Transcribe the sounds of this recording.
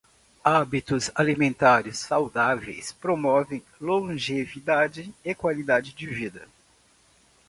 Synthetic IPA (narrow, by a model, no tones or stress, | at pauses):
abit̪ʊzalimẽnt̪aɾɪsːawd̪avḛjspɾomɔvẽj̃lõʒevid̪ad͡ʒɪekwalid̪ad͡ʒɪd͡ʒɪvid̪ɐ